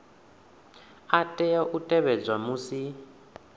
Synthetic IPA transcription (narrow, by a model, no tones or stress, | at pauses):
atʼɛjaʔutʼɛβɛd͡zwamusi